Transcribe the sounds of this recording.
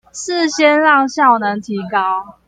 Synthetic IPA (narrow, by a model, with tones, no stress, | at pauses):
s̩˥˨ɕjɛ˥˦nɻɑ˥˨˧ŋɕjɑ˥˩ʊnə˧˦ŋt̪ʰi˨˥kɑ˦ʊ